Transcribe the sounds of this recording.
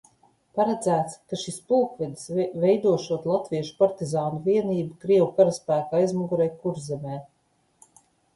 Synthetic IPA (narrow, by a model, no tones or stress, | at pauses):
paɾɛd̪zæːt̪skaʃispulkvʲid̪isvɛjd̪uɔʃuɔt̪lˠat̪viɛʃu̥paɾt̪izaːnuviɛniːbukɾiɛwukaɾaspæːkaːijzmuɡuɾɛjkuɾzɛmʲɛː